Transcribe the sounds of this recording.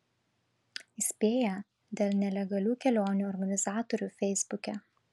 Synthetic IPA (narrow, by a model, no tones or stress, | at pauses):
ɪsʲpʲeːjɛ | d̪ʲeːlˠnʲɛlʲɛɡɐlʲuːkʲɛlʲoːnʲuːˑɔɾɡɐnʲɪzɑːt̪ɔɾʲuːfʲɛɪzbʊkʲɛ